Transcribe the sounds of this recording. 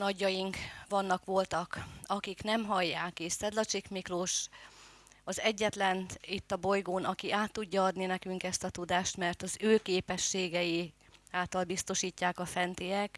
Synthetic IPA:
nɒɟːɒjiŋkʋɒnːɒkʋo̞lt̪ɒkɒkiknɛmɦɒjːaːkeʃsɛd̪lɒt͡ʃikmikloʃ | ɒzɛɟːɛt̪lɛnit̪ːɒbo̞jɡoːnɒkiʔaːt̪ːuɟːɒɒd̪ninɛkyŋkɛst̪ɒt̪ud̪aːʃt̪mɛrt̪ɒzøːkeːpɛʃːeːɡɛjiaːlt̪ɒlbist̪o̞ʃiːcːaːkɒfɛnt̪ijɛk

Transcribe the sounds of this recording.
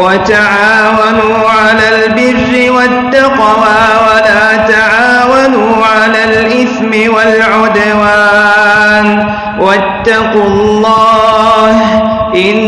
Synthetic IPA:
wat̪aʕaːwanuː | ʕalaːlbɪrːɪwat̪ːɑq | waː | walaːt̪aʕaːwanuːʕalaːlʔɪθmɪwalʕʊd̪awaːn | wat̪ːɑqʊlˤːɑːh | ʔɪn

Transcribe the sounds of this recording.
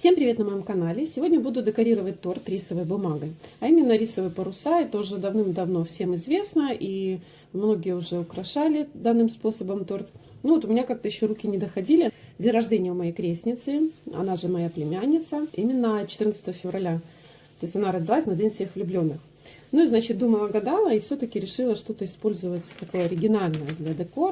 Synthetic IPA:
fsʲe̞mpɾʲɪvʲe̞t̪nəmɐjo̞mkɐnalʲɪsʲɪvʲo̞dʲnʲəbud̪ʊd̪ʲɪkɐɾʲiɾəvət̚ʲt̪o̞rt̪ɾʲisəvəjbʊmaɡəɐimʲɪnːəɾʲisəvəjpəɾʊsaɛt̪əʊʐɛd̪ɐvnɨmd̪ɐvno̞fsʲe̞mɪzvʲe̞snəʔi | mno̞ɡʲɪjəʊʐɛʊkɾɐʂalʲɪd̪anːɨmspo̞səbəmt̪o̞rt̪nuvot̪ʊmʲɪnʲakak̚t̪əjɪɕːo̞ɾukʲɪnʲɪd̪əxɐdʲilʲɪdʲenʲrɐʐdʲenʲɪjəʊmɐjejkɾʲesʲnʲɪt̪sɨɐ̰naʐɨmɐjaplʲɪmʲanʲːɪt̪səimʲɪnːət͡ɕɪt̪ɨrnəst̪əvəfʲɪvʔɐlʲa | t̪o̞ɪsʲtʲɐnaɾədʲɪlˠasʲnɐdʲenʲfsʲexvlʲʊblʲo̞nːɨx | nuiznat͡ɕɪt̪̚d̪uməlˠəɡɐd̪alˠəifsʲɵt̪əkʲɪɾʲɪʂɨlˠəʂt̪o̞t̪əɪspo̞lʲzəvətʲt̪ɐko̞jəɐɾʲɪɡʲɪnalʲnəjəd̪lʲɐd̪ɛko

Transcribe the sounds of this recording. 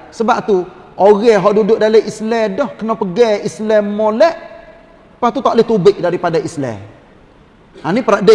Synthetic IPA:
səbap̚t̪uʔoɣɛɦɔʔdudʊʔ̚daləʔislɛdɔhkənɔpəɡɛislɛmːolɛʔ | paht̪ut̪aʔlɪht̪ubɪʔ̚daɾipadaʔislɛ̰ | anipəɾaʔdə

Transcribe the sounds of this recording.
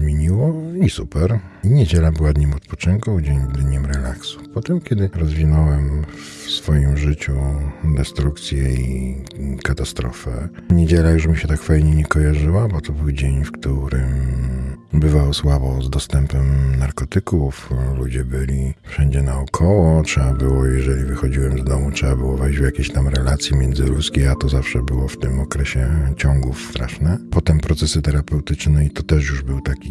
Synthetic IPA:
zmʲjeɲiwɔisupɛɾ | iɲɛd͡ʑɛlabɘwad̪ɲɛmɔt̪pɔt͡ʂɘŋkud͡ʑeɲd̪ɲɛmɾɛlaksu̥pɔt̪ɛmkʲjɛd̪ɘɾɔzvʲinɔwɛm | fsfɔjimʐɘt͡ɕud̪ɛst̪ɾukt̪sʲjɛi | kat̪ast̪ɾɔfɛ̰ɲed͡ʑɛlaɡʐɛbmɕɛt̪akfajɲɛɲɛkɔjaʐɘwabɔt̪ɔbɘwd͡ʑeɲfkt̪uɾɘm | bɘvawswabɔzd̪ɔst̪ɛmpɛmnaɾkɔt̪ɘkuflud͡ʑɛbɘlʲifʂɛɲd͡ʑɛnaɔkʰɔwɔtʂɛbabɘwɔjɛʐɛlʲivɘxɔd͡ʑiwɛmzd̪ɔmutʂɛbabɘwɔvɛjd͡ʑvjakʲeɕt̪amɾɛlat̪sʲjimʲjɛnd̪zɘɾuskʲejat̪ɔzafʂɛbɘwɔft̪ɘmɔkɾɛɕɛt͡ɕɔŋɡust̪ɾa̰ʂnɛpɔt̪ɛmpɾɔt̪sɛsɘt̪ɛɾapɛwt̪ɘt͡ʂnɛit̪ɔt̪ɛʂjuʐbɘwt̪akʲi

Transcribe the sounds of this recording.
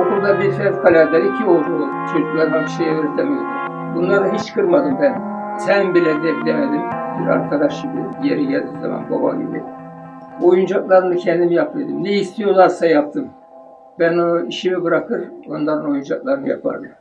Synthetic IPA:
okuɾd̪abiɾfɛt̪kʰalʲaɾd̪aɾicʰiolˠd͡ʒu | t͡ʃʰod͡ʒuklˠaɾd̪aniʃejɛvɾɛt̪lɛmejd̪ | bunlˠaɾɯɦit͡ʃkʰɯɾmad̪ɯmbɛnsɛnbilʲɛɾd̪ɛd̪emed̪imbiɾa̰ɾkʰad̪aʃɯbṵjeɾiɟɛlʲd̪iza̰ma̰nboba̰ḭb̪ḭ | o̞jund͡ʒaklˠaɾɯnɯcʰɛnd̪imijap̪ɯjd̪ɯmnɛist̪ʰijo̞lˠaɾsajap̚t̪ʰɯm | bænoiʃimibɯɾakʰɯɾo̞nlˠaɾɯno̞jund͡ʒak̚lˠaɾɯnja̰pʰa̰ɾd̪ɯm

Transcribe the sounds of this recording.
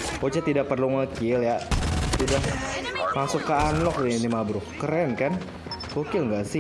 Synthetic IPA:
pot͡ʃat̪idaʔ̚pərluŋəkɪljaudahmasʊkːəanlɔk̚dinimabɾʊhkəɾɛnkan | kəkɪlŋɡasɪ

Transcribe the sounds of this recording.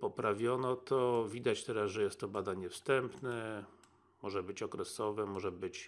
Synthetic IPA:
pɔpɾavʲjɔnɔt̪ʰɔvʲid̪at͡ɕt̪ɛɾasʐɛjɛst̪ːɔbad̪aɲɛfst̪ɛmpnɛ | mɔʐɛbɘt͡ɕɔkɾɛsɔvɛmɔʐɛbɘt͡ɕ

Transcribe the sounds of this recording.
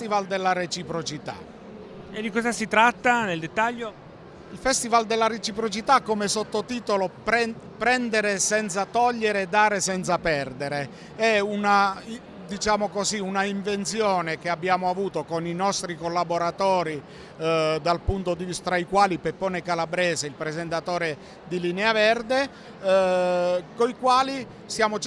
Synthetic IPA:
st̪ivald̪elːaɾet͡ʃipɾot͡ʃit̪a̰ | ed̪ikɔzasit̪ɾat̪ːaneld̪et̪ːaʎːo | ilfɛst̪ivald̪elːaɾet͡ʃipɾot͡ʃit̪akːomesot̪ːot̪iːt̪olop | pɾɛnd̪eɾesɛnt̪sat̪ɔʎːeɾeːd̪ːaːɾesɛnt̪sapɛrd̪eɾe | ɛuna | d̪it͡ʃaːmokoziunaiɱvent̪sjɔːnekeabːjaːmoavuːt̪okoninɔst̪ɾikolːaboɾat̪ɔːɾi | d̪alpunt̪od̪ivist̪ɾaikwaːlipepːɔːnekalabɾɛːzeilpɾezent̪at̪ɔːɾe | d̪ilineavɛrd̪e | koikwaːli | sjaːmo

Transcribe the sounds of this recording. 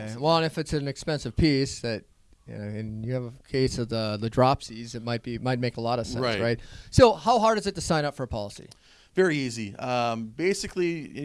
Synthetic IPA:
wɛlˠə̃nɨfɨtsɨ̃nɨkspɛ̃nsɨv̥pʰisðɨt̚ | jɨ̰noʊɨ̃njɨːvəkʰeɪsʌðəðɨdɹɑpsizɨt̚maɪt̚b̥imaɪt̚meɪkəlɔɾʌ̥sɛ̰̃ɹɪsɹaɪt̚soʊhaʊɦɑɹɾɨzɨtɨsãɪ̃ɾ̃nʌpfə˞əpʰɑlˠəsḭ | vɛɹiiziʌ̃mbeɪsɨkli

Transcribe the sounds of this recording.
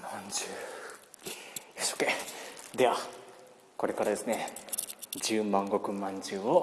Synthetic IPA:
mãɲd͡ʑɨː | esoked̪e̞βa | ko̞ɾe̞kaɾad̪e̞sɨne̞ | d͡ʑɨːmãŋɡo̞kɯ̟mãɲd͡ʑɨːo

